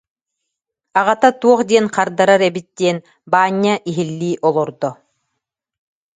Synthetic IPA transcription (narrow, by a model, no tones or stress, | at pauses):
aʁat̪at̪uɔχd̪iɛnqaɾd̪aɾaɾɛbit̪̚d̪̥iɛn | baːɲːaʔiɦilːiːʔɔlˠɔɾd̪ɔ